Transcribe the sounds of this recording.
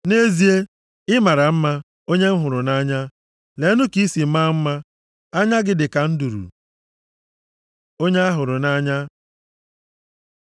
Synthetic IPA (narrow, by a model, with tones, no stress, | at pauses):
ne˦zi˦e˦ | ɪ˦ma˨ɾa˨m̩˦ma˦ | o˦ɲe˦m̩˦ɦʊ˨ɾʊ˨na˦ɲa˦ | le˨˦nʊ˦ki˦si˨m̩˦ma˦m̩˦ma˦ | a˦ɲa˦ɡɪ˨dɪ˨ka˨n̩˦du˨ɾṵ˨ | o˦ɲe˦a˦ɦʊ˨ɾʊ˨na˦ɲa˦